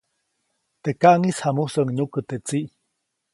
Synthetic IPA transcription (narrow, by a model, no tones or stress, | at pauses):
t̪ekaʔŋishamusəŋɲukət̪et͡siʔ